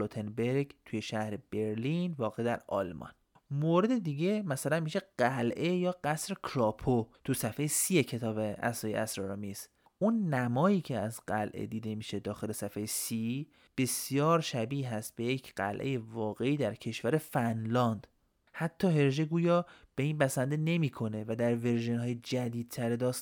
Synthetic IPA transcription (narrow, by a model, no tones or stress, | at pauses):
lot̪ʰenbeɾɡt̪ʰujeʃæhɾeb̥eɾlinvɒːɣeid̪æɾɒ̰lmʔɒ̰n | moɾe̞d̪e̞d̪iːɟe̞mæsælænmiʃe̞ɢ̥ælʔe̞jɒːɡæsɾekʰɾɒːpʰot̪ʰusæfejesiːjecʰe̞t̪ʰɒːbeʔæ̰sɒːjḛæsɾɒɾɒmis | unːæmɒːjiːcʰeæzɢælʔḛd̪iːd̪e̞miːʃe̞d̪ɒːxe̞le̞sæfejesi | b̥e̞sjɒːɾʃæbiːɦæst̪̚b̥e̞jecʰɢæ̰lʔeje̞vɒːɣe̞iːd̪æɾcʰe̞ʃvæɾe̞fænlɒnd̪̥ | hæt̪ʰːɒːɦe̞ɾʒe̞ɡuːjɒːb̥e̞iːnpʰæsænd̪ene̞miːkʰo̞ne̞væd̪æɾve̞ɾʒenɦɒːjed͡ʒæd̪iːd̪̥̚t̪ʰæɾed̪ɒːs